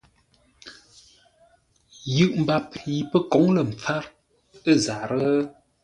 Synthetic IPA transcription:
jɯ˦˨ʔm̩˨ba˨p̚ji˨pə˦kɔ˨˦ŋlə˨m̩˨p͡fa˦ɾ | ə˦˨zaː˨ɾə˦

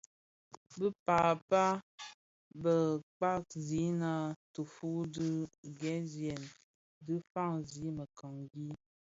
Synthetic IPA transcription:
bə˦paː˨pa˦ | bə˨k͡pa˦k̚zi˨˦na˦tu˨fu˦dɨ˦ɡɛ˦zjɛ˨n | dɨ˦fa˦˨ŋzi˨˦mə˨ka˨ŋɡi˦

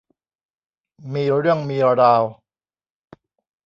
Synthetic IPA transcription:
miː˧ɾɯ˥˩əŋmiː˧ɾa˧ɾaː˧w

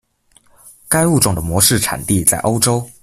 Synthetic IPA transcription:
ka˥ɪu˥˨ʈ͡ʂʊ˨˩ŋd̪ə˩mwɔ˧˥˦ʂɻ̩˥˩ʈ͡ʂʰa̰˨˩nt̪i˥˨t͡sa˥˩ɪʔo˥ʊʈ͡ʂo˥ʊ

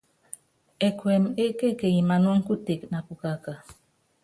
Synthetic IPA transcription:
e˨kwe˨m˨e˦ke˦˨ke˨ji˨ma˨nɔ˦ŋ̩˦ku˦te˨kna˨pu˨ka˨ka˨

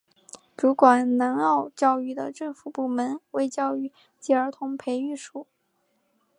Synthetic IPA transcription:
ʈ͡ʂu˧˥kwa˨˩nna˧˥nɑ˥˧ʊt͡ɕjɑ˥˧ʊy˥˩d̪ə̰˩ʈ͡ʂɤ˥˩ŋfu˨˩pu˥˩mə˧˥nwe˥˧ɪt͡ɕjɑ˥˧ʊy˥˩ | t͡ɕi˧˥ə˞˧˥t̪ʰʊ˧˥ŋpʰe˧˥ɪy˥˩ʂu˨˩˦

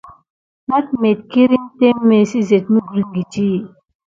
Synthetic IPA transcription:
na˦tme˨t̪̚ki˦ɾi˦mt̪e˦mːe˨si˦ze˨t̪̚mu˦ɡu˨ɾi˨˦ŋɡi˨t͡ʃi˦˨

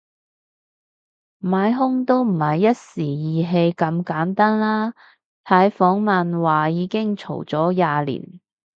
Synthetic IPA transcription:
maː˨˧˥jɦʊ˥ŋt̪o˥wm̩˨˩hɐ˨jːɐ˥t̚siː˨˩jiː˨ɦe˧jkɐ˨˧mkaː˨˥nt̪aː˥nlaː˥ | t̪ʰaː˨˥jfɔː˨˥ŋmɐ˨nwaː˨˩jiː˨˧kɪ˥ŋt͡ʃʰo̰˨˩wt͡sɔː˨˥jaː˨˧lḭː˨˩n

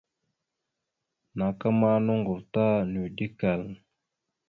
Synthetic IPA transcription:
na˨ka˦ma˦no˦ŋɡu˨ɾta˦nu˨di˦ka˨l

